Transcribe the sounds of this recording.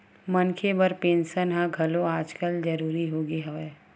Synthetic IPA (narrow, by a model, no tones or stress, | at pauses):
mɐnkʰebəɾpẽːnʃənɦãɡʱɐlõaːd͡ʒkəld͡ʒɐɾuːɾiɦoːɡiɦɐʋeː